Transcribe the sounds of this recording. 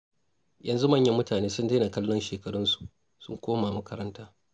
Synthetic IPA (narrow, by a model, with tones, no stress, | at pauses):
jɐ˨nzu˦mɐ˦˨ɲjɐ˦mːʊ˦taː˨neː˦sʊ˦ndeː˦na˨kɐ˦lːɔ˦nʃeː˨kɐ˨ɽɪ˦nsu̥˨ʔ | sʊ˦ŋkʷoː˦maː˨mɐ˦kɐ˦ɾɐ˦ntaː˦